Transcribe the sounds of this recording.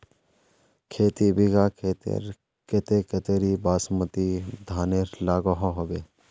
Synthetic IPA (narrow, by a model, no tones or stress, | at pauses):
kʰeːt̪ibiɡaːkʰeːt̪ḛɾ | ket̪eket̪eɾibaːsmət̪id̪ʱaːneɾlaːɡoɦõɦobe